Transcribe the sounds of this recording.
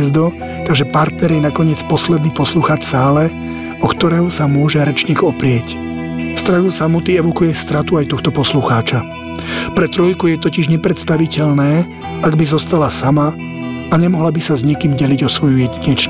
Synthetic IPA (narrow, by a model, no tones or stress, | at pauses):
ɛzd̪ɔ | t̪aɡʒɛpaɾt̪nɛɾjɛnakɔɲɪɛt͡spɔslɛd̪niːpɔsluxaːt͡ʃsaːlɛ | ɔkt̪ɔɾɛːɦɔsamʊɔʒɛɾɛt͡ʃɲiːɡɔpɾɪɛc | st̪ɾausamut̪iɛʋɔkujɛst̪ɾat̪uajt̪ɔxt̪ɔpɔsluxaːt͡ʃa | pɾɛt̪ɾɔjkujɛt̪ɔciʒɲɛpɾɛt̪st̪aʋicɛʎnɛː | aɡbizɔst̪alasama | aɲɛmɔɦlabisazɲikiːmɟɛliɟɔsʋɔjujɛɟiɲit͡ʃɲ